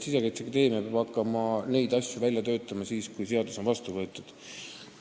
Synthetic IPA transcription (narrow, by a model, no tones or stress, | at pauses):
sisekæjt̪sekt̪e̞ːmepeb̥ɑkːˑɑmɑnejd̪̥ɑsʲjuvælʲjɑt̪ø̞ːt̪ːˑɑmɑsiːskujse̞ɑd̪̥uso̞nvɑst̪uvɤ̞t̪ˑːud̪̥